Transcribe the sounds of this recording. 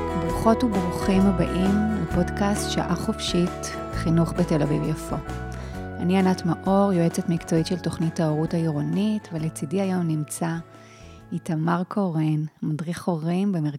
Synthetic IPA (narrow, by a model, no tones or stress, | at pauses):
bʁuχo̞tubʁuχimabaʔimupo̞dkastʃa̰ʔaχofʃit | χinuχbetelavḭvjafo̞ | anianatmaʔo̞ʁjoet͡setmikt͡so̞itʃelto̞χnithaoʁutaiʁonitvelet͡sidiajo̞mnimt͡sa | itamaʁkʰoʁenmadʁiχo̞ʁimbemeʁ